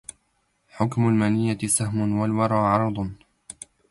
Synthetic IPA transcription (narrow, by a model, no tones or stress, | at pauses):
ħʊkmʊlmanɪjːasahmʊnwalwɑɾˤɑːʕɑɾˤd̪ˤ